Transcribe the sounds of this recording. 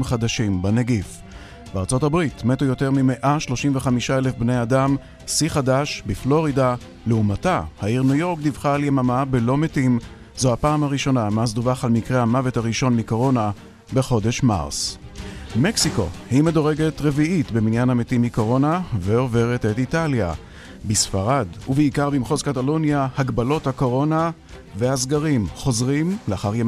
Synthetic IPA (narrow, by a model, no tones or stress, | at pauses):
mχad̪aʃimbaneɡif | b̥eaʁt͡so̞thabʁitmetujo̞te̞ʁmime̞ʔaʃlo̞ʃimveχamiʃaelefbnejadam | siχadaʃbiflo̞ʁida | leumatahaiʁnujo̞ʁkdivχaljemamabelo̞metim | zohapaːmhaʁiʃo̞namazdovaχalmikʁehamavethaʁiʃo̞nmiko̞ʁo̞na | be̞χo̞de̞ʃma̰ʁs | me̞ksiko̞̰hime̞do̞ʁe̞ɡe̞tʁe̞viitbeminjanhametimiko̞ʁo̞naveo̞ve̞ʁetetitalja̰ | bisfaʁaduveikaʁbimχozkatalonjahaɡbalo̞thako̞ʁo̞na | vehasɡaʁimχo̞zʁimleaχaʁjem